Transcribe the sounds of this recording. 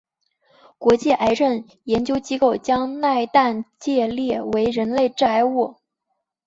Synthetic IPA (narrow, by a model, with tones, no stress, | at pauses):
kwɔ˧˥t͡ɕjɛ˥˩ʔa˧˥ɪʈ͡ʂə˥˩n | jɛ˧˥nt͡ɕjo˥ʊt͡ɕi˥ko˥˩ʊt͡ɕjɑ˥ŋna˥˧ɪt̪a˥˧nt͡ɕjɛ˥˧ljɛ˥˩we˧˥ɪɻə˧˥nle˥˧ɪʈ͡ʂa˥˧ɪu˥˩